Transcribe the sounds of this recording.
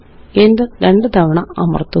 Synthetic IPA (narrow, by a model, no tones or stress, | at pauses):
end̪ɐɾeɳɖɨd̪ɐʋɐɳɐɐ̰mɐ̰rt̪ːu